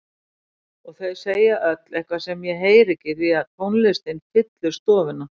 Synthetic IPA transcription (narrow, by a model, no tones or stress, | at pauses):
ɔɣθejðseːjaʔœt̪lɛhkvḁsɛmjɛɦeːjɾɪcɪɾiaðt̪ʰownlɪst̪ɪnfɪt̪lʏst̪ɔːvɪna